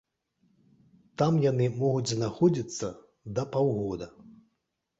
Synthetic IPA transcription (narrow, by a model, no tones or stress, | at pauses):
t̪amjanɨmɔɣud͡zʲznaxɔd͡zʲit̪sːɐ | d̪ɐpawɣɔd̪ɐ